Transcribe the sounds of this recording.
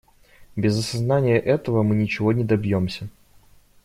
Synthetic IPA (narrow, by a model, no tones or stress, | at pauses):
bʲɪzɐsɐznanʲɪjəʔɛt̪əvəmɨnʲɪt͡ɕɪvo̞nʲɪd̪ɐbjomsʲə